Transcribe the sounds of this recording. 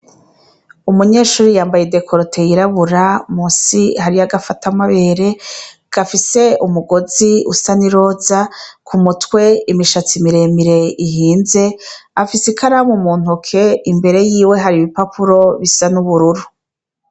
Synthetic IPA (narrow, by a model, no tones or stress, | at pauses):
umuɲe̞ːʃuːɾijaːmbajede̞kʰoɾotʰe̞jiɾaβuɾamuːsihaɾijaɡafatamaβe̞ːɾe̞ | ɡ̥afise̞umuɡo̞ziṵsaniɾo̞ːzakʰumutwe̞imiʃat͡simiɾe̞miɾe̞iɦiːnze̞afisikʰaɾamumuːn̥ukʰe̞imbe̞ɾe̞jiːwe̞ɦaɾiβipapʰuɾo̞βisanuβuɾuɾu